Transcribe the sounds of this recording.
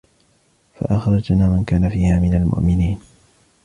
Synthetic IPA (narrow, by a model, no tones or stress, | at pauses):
fa̰ʔaxɾˤɑd͡ʒnaːmankaːnafiːhaːmɪnalmʊ̰ʔmɪniːn